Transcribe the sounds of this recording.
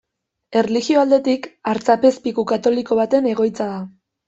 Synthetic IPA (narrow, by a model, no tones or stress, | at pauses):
e̞reliɣio̞ald̪e̞t̪ikaɾt͡sape̞spikukat̪o̞liko̞β̞at̪e̞ne̞ɣo̞jt͡saða